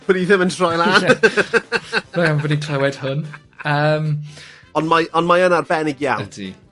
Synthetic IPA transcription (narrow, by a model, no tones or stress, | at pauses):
b̥ədiðɪməntʰr̥ɔjlˠan | aambɔdikʰl̥əwɛd̥hʊn | əːm | ɔnmajʔɔnmajənarbɛnɪɡja̰wntʰḭ